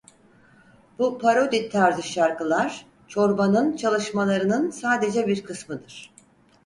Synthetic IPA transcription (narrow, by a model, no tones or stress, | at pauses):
bupʰaɾo̞d̪it̪ʰːaɾzɯʃaɾkɯlˠaɾ̥ | t͡ʃʰo̞ɾbanɯnt͡ʃʰalˠɯʃmalˠaɾɯnɯnsaːd̪e̞d͡ʒɛbiɾkʰɯsmɯd̪ɯɾ̥